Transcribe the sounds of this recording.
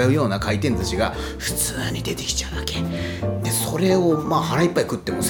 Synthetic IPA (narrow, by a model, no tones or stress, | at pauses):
aɯ̟jo̞ːnakʰait̪ẽ̞nt̪at͡ɕiɡa | ɸɯ̟̥t͡sɨːɲ̟id̪e̞t̪e̞̥kʲi̥t͡ɕaɯd̪ake̥ | d̪e̞so̞ɾe̞o̞maːhaɾaipːaikɯ̟t̪ːe̞mos